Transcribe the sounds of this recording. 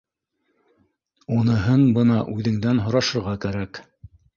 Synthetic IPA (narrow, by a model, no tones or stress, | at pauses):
unɤ̆ɦɤnbɤnɑʔʉðɘ̆ŋd̪ænɦŏɾɑʃɤ̆ɾʁɑkæɾæk